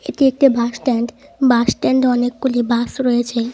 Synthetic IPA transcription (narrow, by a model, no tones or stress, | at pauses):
eʈiek̚ʈibʱaʃʈɛɳɖ | baʃʈɛɳɖɔnekːulibasɾɔjet͡ɕʰe